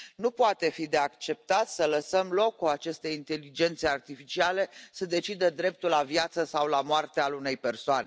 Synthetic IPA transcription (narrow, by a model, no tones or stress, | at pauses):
nupoat̪e̞fid̪e̞akt͡ʃe̞p̚t̪at̪sələsəmlo̞kːuat͡ʃe̞st̪e̞int̪e̞lid͡ʒe̞nt̪seart̪ifit͡ʃiale̞səd̪e̞t͡ʃid̪əd̪ɾe̞p̚t̪ulavjat̪səsawlamoart̪ealune̞jpe̞rsoane